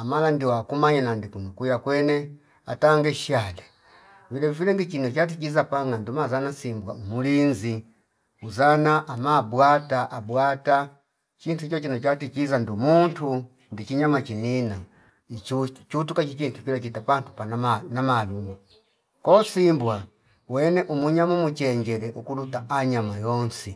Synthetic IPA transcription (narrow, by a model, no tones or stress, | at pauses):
amalandiwakumaɲanandikunukujakwɛnɛ | a̰taŋɡɛʃalɛ | vilɛvivilɛndit͡ʃinɔt͡ʃat̬ikizapaŋandumazanasimbwa̰umulinzi | uzanaʔamabwataʔabwata | t͡ʃintut͡ʃɔt͡ʃinɔt͡ʃatikizandumuntu | ndit͡ʃiɲamat͡ʃinina | iut͡ʃutukat͡ʃit͡ʃintukilat͡ʃitapantu̥pannamaluma | kɔsimbwa | wɛnɛʔumuɲamumut͡ʃɛɲd͡ʒɛlɛʔukulutaʔaɲamajɔnsi